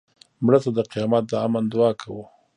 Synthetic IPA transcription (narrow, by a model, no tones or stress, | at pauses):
mɽəsad̪əqijɑmat̪̚d̪əamand̪ʊɑkʰawu